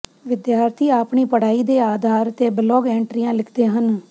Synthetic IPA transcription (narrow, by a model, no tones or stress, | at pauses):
ʋɪd̪jaːɾt̪ʰiːaːpɳiːpəɽ̤aːiːd̪eːaːd̪ʱaːɾt̪eːblɔːɡɛ̃ːɳʈɾɪjãːlɪkʰd̪eːɦən